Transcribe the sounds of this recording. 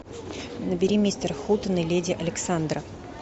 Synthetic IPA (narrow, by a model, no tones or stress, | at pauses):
nəbʲɪɾʲimʲist̪ərxut̪ənɨlʲedʲɪʔɐlʲɪksand̪ɾə